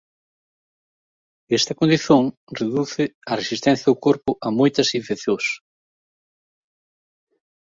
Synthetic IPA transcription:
est̪ɐkond̪iθõŋ | reðuθɪɐresist̪ɛ̃n̟θjɐðʊkoɾpʊʔɐmojt̪ɐsĩɱfekθjõs

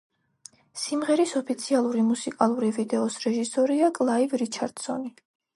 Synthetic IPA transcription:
simʁɛɾisɔpʰit̪sʰialˠuɾimusikʼalˠuɾivid̪ɛɔsɾɛʒisɔɾiakʼlˠaivɾit͡ʃʰaɾd̪̥sɔni

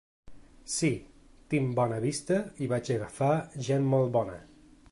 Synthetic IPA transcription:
si | t̪imbɔnəβist̪əiβat͡ʃəɣəfaʒenmolˠt̪̚bɔnə̰

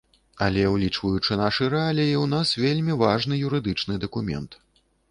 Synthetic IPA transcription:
ɐ̰lʲɛwlʲit͡ʂvɐjut͡ʂɨnaʂɨɾɛalʲiiwn̪asvʲelʲmʲivaʐn̪ɨjuɾɨd̪ɨt͡ʂnɨd̪ɐkumʲɛ̰nt̪

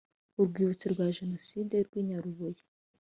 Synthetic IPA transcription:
uɾɡwiːβut͡siɾɡwaʒenosideɾɡwiɲaɾuβoji̥

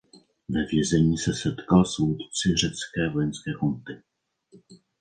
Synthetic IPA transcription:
vɛvjɛzɛɲiːsɛsɛt̪kalsut̪t͡sɪr̝ɛt͡skɛːvojɛnskɛːkunt̪ɪ

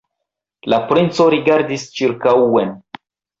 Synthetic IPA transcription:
lapɾint͡so̞ɾiɡaɾdist͡ʃiɾkaen

